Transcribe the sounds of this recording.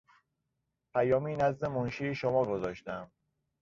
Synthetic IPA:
pʰæjɒːmiːnæzd̪e̞monʃiːeʃomɒːɡozɒːʃt̪æm

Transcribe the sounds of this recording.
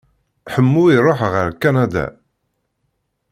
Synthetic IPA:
ħəmːuiɾˤoħʁəɾkːanæd̪æ̰

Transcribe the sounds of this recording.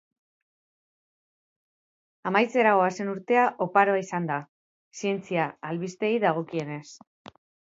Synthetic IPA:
amajt͡se̞ɾaɣo̞ase̞nuɾt̪e̞aʔo̞paɾoaisand̪a | sie̞nt͡siaːlβist̪e̞iðaɣ̞o̞kie̞ne̞s

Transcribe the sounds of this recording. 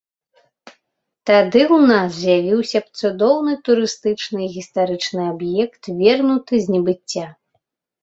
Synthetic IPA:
t̪ad̪ɨwnaszjavʲiwsʲɐpt̪sud̪ɔwnɨt̪uɾɨst̪ɨt͡ʂnɨɣʲist̪aɾɨt͡ʂnɨabjɛkt̪vʲɛrnut̪ɨzʲnʲɛbɨt͡sʲːa

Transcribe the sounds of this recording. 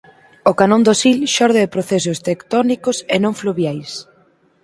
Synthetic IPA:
okanõnd̪osilʃɔɾðeɪpɾoθes̬ʊst̪ekt̪ɔnikʊsenõŋfluβjajs

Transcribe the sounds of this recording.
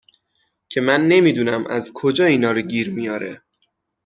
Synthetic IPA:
cʰe̞mænːe̞miːd̪uːnæmʔæzkʰod͡ʒɒːiːnɒːɾoɟiːɾmijɒːɾḛ

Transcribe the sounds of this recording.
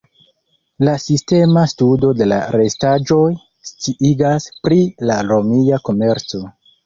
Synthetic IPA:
lasiste̞mastudo̞de̞la̰ɾe̞stad͡ʒo̞j | stiʔiɡaspɾilaɾo̞miako̞me̞ɾt͡so̞

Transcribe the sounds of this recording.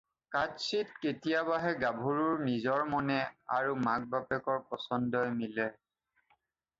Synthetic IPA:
kad͡ʒsitketijaβaɦɛɡabʱuɹuɹnizɔɹmɔnɛaɹumak̚bapɛkɔɹpɔsɔndɔjmilɛ

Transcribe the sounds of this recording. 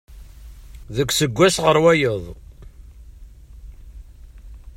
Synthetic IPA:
ðəkʷːsəɡʷːæsʁəɾwæjəðˤ

